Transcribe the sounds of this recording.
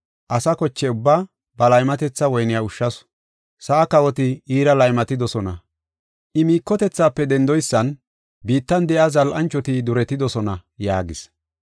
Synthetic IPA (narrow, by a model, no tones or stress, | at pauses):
ʔɐsɐkɔt͡ʃːɛʊbːaː | bɐlɐjmɐt̪ɛt͡sːɐwɔjnɪjaʊʃːɐs | sɐʔɐkɐwɔt̪ɪiːɾɐlɐjmɐt̪ɪd̪ɔsɔnɐ̰ | ʔɪmiːkːɔt̪ɛt͡sːaːpːɛd̪ɛnd̪ɔjsːɐn | biːt̪ːɐnd̪ɛʔɐzɐlʔɐnt͡ʃːɔt̪ɪd̪ʊɾɛt̪ɪd̪ɔsɔnɐjaːɡɪs